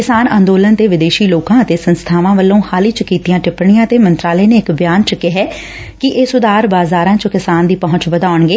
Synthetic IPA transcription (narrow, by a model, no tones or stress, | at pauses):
kɪsaːnãːnd̪oːlənt̪eːʋɪd̪eːʃiːloːkãːət̪eːsənst̪ʰaːʋãːʋəlːõːhaːliːt͡ʃkiːt̪ijãːʈɪpɳɪjãːət̪eːmənt̪ɾaːleːneːɪkbjaːnt͡ʃəkɪɦɛː | kɪʔeːsʊd̪aːɾbaːzaːɾãːt͡ʃəkɪsaːnd̪iːpəɦʊ̃ɲt͡ʃʋəd̪aːʊɳɡeː